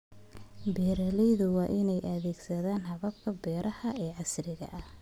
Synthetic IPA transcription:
bɛːɾɐlɛjðʊwɑːʔɪnɛjʔɐðɛːɡsɐðaːnhɐβɐb̚kʰɐbɛːɾʔɐhɐɛːʕɑsrɪɣɐ̰ʔɐh

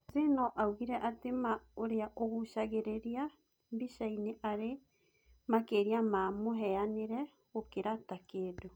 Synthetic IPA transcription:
zenɔʔauɣiɾɛʔatemaoɾeaʔoɣoʃaɣeɾeɾia | mbiʃaineʔaɾe | makeːɾiamamoɦɛaneɾɛ | okeɾatakeːdo

